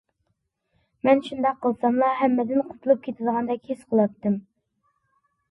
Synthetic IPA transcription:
mɛnʃund̪ɑqʰːəlˠsɑmlˠɑɦɛmːɛd̪ɪnqʰʊ̥t̪ʰulˠup̚kʲʰet̪ʰɪd̪əʁɑnd̪ɑkʲhesqʰəlˠɑp̚t̪ʰːɨm

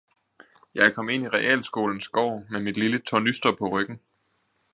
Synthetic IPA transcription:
jɑ̈ɪkʰɒ̽me̝n̰iʁɛʔɛ̰ːlsɡ̥o̝̰ːln̩sɡ̥ɒʊ̰memid̥lilət͡sʰɒnysd̥ɐpʰɒ̽ʁœɡ̥n̩

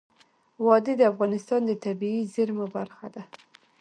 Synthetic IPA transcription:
wɑd̪əd̪əafɣɑnɪst̪ɑnd̪ət̪abiizəɾmabaɾxad̪a

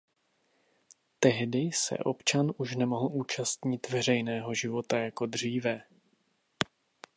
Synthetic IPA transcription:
t̪ɛɦdɪsɛ̰ʔo̞̰pt͡ʃanʔuʃnɛmo̞ɦl̩ʔuːt͡ʃast̪ɲɪt̪vɛr̝ɛjnɛːɦo̞ʒɪvo̞t̪ajako̞d̪r̝iːvɛ

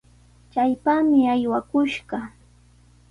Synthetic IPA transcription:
t͡ʃajpaːmɪajwakʊʃɢɑ

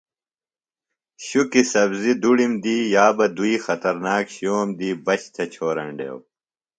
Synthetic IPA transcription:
ɕukisɐbzid̪uɽimd̪iːjaːbɐd̪uixɐt̪ɐɾnaːkɕoːmd̪iːbɐt͡ɕt̪ʰɐt͡ɕʰoːɾɐ̰ɳɖḛːw

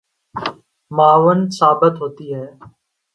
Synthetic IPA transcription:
maːʋənsaːbət̪ɦoːt̪iːɦɛː

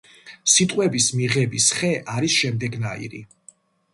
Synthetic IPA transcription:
sit̪ʼqʼwɛbismiʁɛbisχɛʔaɾisʃɛmd̪ɛɡnaḭɾḭ

